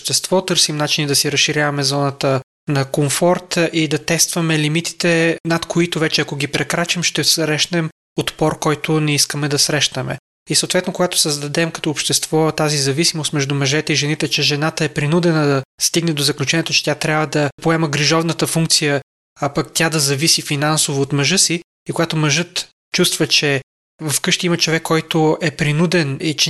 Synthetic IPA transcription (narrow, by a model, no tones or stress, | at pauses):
ʃt̪ɛst̪vɔt̪ɤɾsimnat͡ʃinid̪ɐsiɾɐsʃːiɾʲavɐmɛzɔnət̪ə | nɐkoɱfɔɾt̪ʔid̪ɐt̪ɛst̪vɐmɛlimit̪i̥t̪ɛnɐt̪kʰoit̪ovɛt͡ʃɛɐkoɡipɾɛkɾat͡ʃəmʃt̪ɛsɾɛʃnɛm | ot̪pɔɾkɔjt̪ʊnɛiskəmɛd̪ɐsɾɛʃt̪əmɛ̰ | isəot̪vɛt̪nokoɡat̪o̥səzd̪ɐd̪ɛmkɐt̪ɔːpʃt̪ɛst̪v̥ɔt̪azizɐvisimost̪mɛʒd̪umɐʒɛt̪ɛiʒɛnit̪ɛt͡ʃɛʒɛnat̪əɛpɾinud̪ɛnəd̪ɐst̪iɡnɛd̪ozɐklʲut͡ʃɛnʲiɛt̪ot͡ʃɛ̥t̪ʲat̪ɾʲabvəd̪ɐpoɛməɡɾiʒɔvnət̪əfuŋk̚t̪sijə | ɐpɐkt̪ʲad̪ɐzɐvisifinansovoːt̪mɐʒɤsi | ikoɡat̪omɐʒɤt̪ | t͡ʃust̪vət͡ʃɛ | vɐfkɤʃt̪iimɐt͡ʃovɛkːɔjt̪ʊɛpɾinud̪ɛnit͡ʃɛ